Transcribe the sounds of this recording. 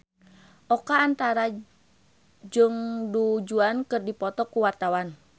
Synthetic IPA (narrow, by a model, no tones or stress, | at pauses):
ʔɔkaːnt̪aɾa | d͡ʒɨŋdud͡ʒuankɨrdipɔt̪ɔkuwart̪awan